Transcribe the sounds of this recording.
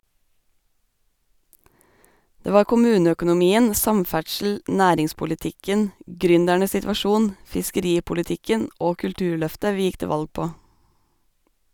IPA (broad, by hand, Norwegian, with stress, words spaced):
ˈdeː ˈʋɑːɾ kʊˈmʉːnəœkʊnʊˌmiːən ˈsɑmˌfæʈʃl̩ ˈʔnæːɾɪŋspʊlɪˌtɪkən ˈɡɾʏndæɳə sɪtʋɑˈʃuːn fɪskəˈɾiːpʊlɪˌtɪkən ˈoː kʉlˈtʉːɾˌɭœftə ˈʋiː ˈjɪk ˈteː ˈʋɑlɡ ˈpoː